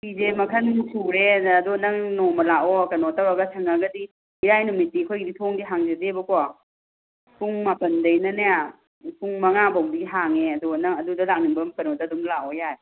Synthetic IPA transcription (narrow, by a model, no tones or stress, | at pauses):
pizemɐkʰɐnsʰuɾeːdunɐŋnɔmɐlaʔɔkɐnɔtawɾaɡɐtʰɐŋaɡɐdi | iɾajnumit̚ːikʰojɡiditʰoŋdiɦaŋzezebɐkɔ | pʰuŋmapɐndɐjnɐneja | pʰuŋmɐŋabɔmbiɦaŋeɐduɡnɐŋɐdudɐlak̚niŋbɐmkɐnɔtadumlaɔjaj